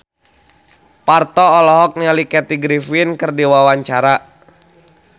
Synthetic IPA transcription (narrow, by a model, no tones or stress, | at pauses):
part̪ɔːlɔɦɔk̚nialikɛt̪iɡɾifinkɨrdiwawaɲt͡ʃaɾa